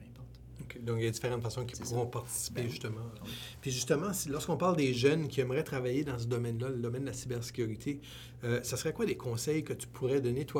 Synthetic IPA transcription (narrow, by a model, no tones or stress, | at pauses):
okʲʰed̪ɔ̃kjaddd͡z̪ifeʁɑ̃t̪fasɔ̃kʲʰi̥puʁɔ̃paʁt̪i̥si̥peʒyst̪əmɑ̃piʒyst̪əmɑ̃silɔʁskɔ̃paʁld̪eʒœnkʲiɛmʁɛt̪χavajed̪ɑ̃səd̪ɔmɛnlaləd̪ɔmɛnd̪əlasibɛʁse̥kʲyʁit̪ʰe | øsasəʁɛkwad̪ekʰɔ̃sɛjkət̪y̥pʰuʁɛd̪ɔnet̪wa